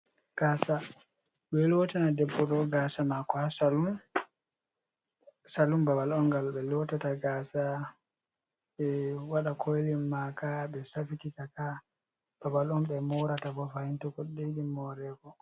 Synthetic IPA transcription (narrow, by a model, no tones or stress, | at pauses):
ɡ̥aːsa | ɓɛlɔtanadɛbːɔɗɔɡasamakɔhasalum | salumbabalɔnŋɡalɓɛlɔtataɡaːsa | ɓɛwaɗakʰojlimːakaɓɛsafititaka | b̥abalɔnɓɛmɔɾataɡɔfahintɔkɔɗeɗimːɔɾɛːɡɔ